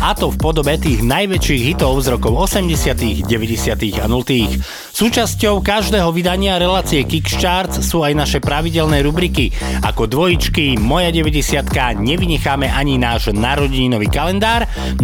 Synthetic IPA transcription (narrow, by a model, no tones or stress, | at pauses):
at̪ɔfpɔd̪ɔbɛt̪iːɣnajʋɛt͡ʃiːɣɦit̪ɔʊzɾɔkɔʊɔsɛmɟɛsɪat̪iːɣɟɛʋɛɟɛsɪat̪iːɣanult̪iːx | suːt͡ʃascɔʊkaʒd̪ɛːɦɔʋid̪aɲɪaɾɛlaːt͡siɛkikʃtaːɾt͡ssuːajnaʃɛpɾaʋiɟɛlnɛːɾubɾiki | a̰kɔd̪ʋɔjit͡ʃkimɔjaɟɛʋɛɟɛsɪat̪kaɲɛʋiɲɛxaːmɛʔaɲinaːʒnaɾɔɟiɲinɔʋiːkalɛnd̪aːɾ